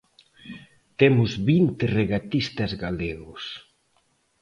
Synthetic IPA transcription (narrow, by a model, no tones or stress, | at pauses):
t̪emʊzβint̪ɪreɣat̪ist̪ɐzɣaleɣʊs